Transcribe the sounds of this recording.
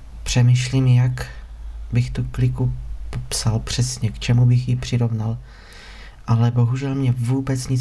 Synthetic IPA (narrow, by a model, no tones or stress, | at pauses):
pr̥ɛmiʃliːmjak | bɪxt̪uklɪkupopsalpr̝̥ɛsɲɛkt͡ʃɛmubɪxjɪpr̥ɪɾo̞vnal | ʔalɛbo̞ɦuʒɛlmɲɛvuːbɛt͡sɲɪt͡s